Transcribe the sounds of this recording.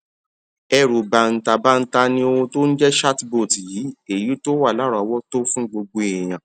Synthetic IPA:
ɛ˧ɾu˨ba˨n̩˨ta˨ba˦n̩˦ta˧nĩ˧o˧ũ˧to˦n̩˦d͡ʒɛ˦ʃa˦tbo˦˨tjiː˨˦e˦˨ji˨˦to˦wa˦˨la˨˦ɾa˨˦wɔ˦to˦fũ˦ɡ͡bo˧ɡ͡bo˧e˨j̃ã˨

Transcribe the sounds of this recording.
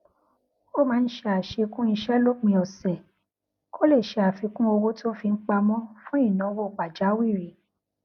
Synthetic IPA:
o˦mãː˨˦˧n̩˦ʃe˧a˨ʃe˧kũ˦i˧ʃɛ˦lo˦˨k͡pĩ˧ɔ˨sɛ˨ | kʰo˦le˦˨ʃe˧a˨fi˨˧kũ˦o˧wo˦ti˦o˦fi˧ŋ̩˦k͡pa˧mɔ̃˦fũ˦i˦˨nã˨˦wo˦˨k͡pa˨d͡ʒa˨˦wi˦˨ɾi˨˦

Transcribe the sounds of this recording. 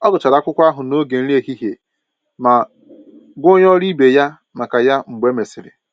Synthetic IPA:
ɔ˦ɡʊ˨t͡ʃa˨ɾa˨˦kʷʊ˦kʷa˦ɦʊ˨no˦ɡe˨n̩˦ɾi˦e˦˨hi˦ɦe˨ | ma˨ | ɡʷo˦ɲ˦ɔ˦ɾi˦be˨ja˦ | ma˨ka˨ja˦ŋ͡m̩˨ɡ͡be˦me˨sɪ˨ɾɪ̰˨

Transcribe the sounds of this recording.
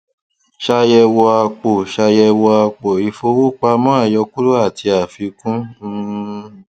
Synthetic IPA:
ʃa˧jɛ˧wɔ˧a˧k͡po˨ʃa˧jɛ˧wɔ˧a˧k͡po˨i˧fo˧wo˦˨k͡pa˧mɔ̃˦a˦˨jɔ˧ku˦ɾo˦a˦˨ti˧a˨fi˧kũ˦

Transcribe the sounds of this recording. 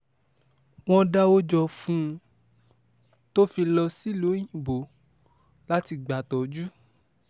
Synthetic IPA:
w̃ɔ̃˦da˦o˦d͡ʒɔ˧fũ˦˧ | to˦fi˧lɔ˧si˦lu˨˦j̃ĩ˨bo˨˦ | la˦ti˧ɡ͡ba˨tɔ˨d͡ʒu˦

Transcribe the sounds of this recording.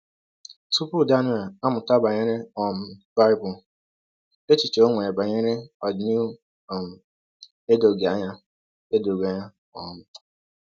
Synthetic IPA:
tu˦pu˦˨da˦ni˦a˨a˦mʊ˨ta˦ba˨ɲe˦ɾe˦ɔ˨m˨˦ba˦ɪ˦bʊ˨l | e˦t͡ʃi˨t͡ʃe˨o˦ŋʷe˨ba˨ɲe˦ɾe˦ɔ˨ni˦ | ɔ˨m̩˨ | e˦do˨ɡa˨˦ɲa˦ | e˦do˨ɡa˨˦ɲa˦ | ɔ˨mʊ˦˨

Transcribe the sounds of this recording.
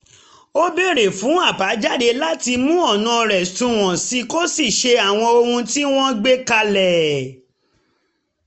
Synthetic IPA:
o˦be˦˨ɾe˨fũ˨˦a˦˨ba˨˦d͡ʒa˦˨de˧la˦ti˧mũ˦ɔ˦˨nã˨˧ɾɛ˨stũ˧˦w̃ɔ̃˨si˧˦ko˦si˦˨ʃe˧a˨w̃ɔ̃˧o˧hũ˧ti˦w̃ɔ̃˦ɡ͡be˦ka˧lɛ˨

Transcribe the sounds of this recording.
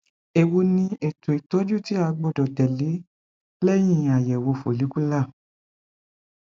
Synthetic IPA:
e˨wo˧nĩ˧e˨tʰo˨i˨tɔ˨˦d͡ʒu˦ti˦a˧ɡ͡bɔ˧˨dɔ˨tɛ˨le˨˦ | lɛ˦j̃ĩ˦˧˨a˨jɛ˨wo˧fo˨li˨˦ku˦la˦˨

